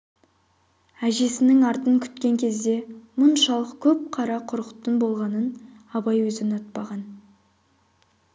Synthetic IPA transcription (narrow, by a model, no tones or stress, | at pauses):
æʒe̞sɪnɪŋɑɾt̪əŋkʲʰʏ̥t̪kʲe̞ŋkʲʰe̞zd̪e̞mʊnʃɑlˠəqkʲʰɵp̚qʰɑɾɑqʰʊɾqə̥t̪ːəɴbo̞lˠʁɑnən | ɑbɑjwɵzɪnot̪̚pɑʁɑn